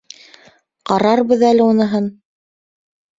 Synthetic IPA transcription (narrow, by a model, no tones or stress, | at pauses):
qɑɾɑɾβɤðælɘunɤ̆ɦɤn